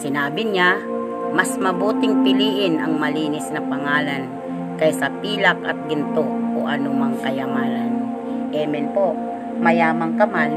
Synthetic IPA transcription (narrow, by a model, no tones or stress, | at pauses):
sɪnaːbɪɲa | mɐsmɐbuːt̪ɪŋpɪliːʔɪnɐŋmɐliːnɪsnɐpɐŋaːlan | kɐjsɐpiːlakɐ̰t̪̚ɡɪnt̪oʔoʔɐnumaŋkɐjɐmaːlan | ʔɛmɛnpoʔ | mɐjaːmaŋkɐmal